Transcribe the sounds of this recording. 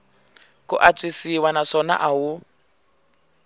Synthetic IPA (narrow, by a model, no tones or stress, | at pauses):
kuʔat͡sʼisiwanaʂɔna̰ʔaɦu